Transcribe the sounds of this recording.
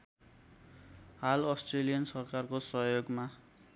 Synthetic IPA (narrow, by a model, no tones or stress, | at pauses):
halʌsʈrelijʌnsʌrkarkosʌɦjoɡma